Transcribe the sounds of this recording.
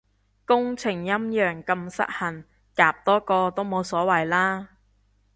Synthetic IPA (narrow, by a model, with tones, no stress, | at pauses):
kʊ˥ŋt͡sʰɪ˨˩ŋjɐ˥mjœː˨ŋkɐ˧msɐ̰˥t̚hɐ˨˩n | kaː˨p̚t̪ɔː˥kɔː˧t̪o˥wmo˨˧wsɔː˨˥wɐ˨˩jlaː˥